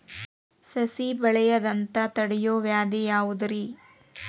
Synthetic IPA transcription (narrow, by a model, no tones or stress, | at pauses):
sɐsibɐɭɛjɐd̪ɐnt̪ɐt̪ɐɽɛjoːʋjaːd̪ijaːʋud̪ɐɾi